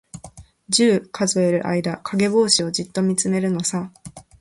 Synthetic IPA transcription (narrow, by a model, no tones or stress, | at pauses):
d͡ʑɨːkʰazoe̞ɾɯ̟ʔa̰id̪akʰaɡe̞bo̞ːɕio̞d͡ʑit̪ːo̞mʲit͡sɨme̞ɾɯ̟no̞sa